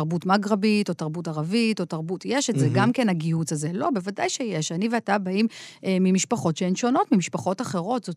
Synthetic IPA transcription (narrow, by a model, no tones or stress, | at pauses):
ʁbutmaɡʁabito̞taʁbut̬aʁavito̞taʁbutjeʃetzeɡamkenaɡihut͡sazelo̞bevadajʃejeʃaniveatabaimemimiʃpaχo̞tʃeenʃo̞no̞tmimiʃpaχo̞taχe̞ʁo̞tz̥ot